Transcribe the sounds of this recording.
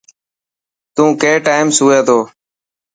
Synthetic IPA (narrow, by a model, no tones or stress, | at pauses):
t̪ũːkeːʈaːɪmsuːẽːt̪ʰoː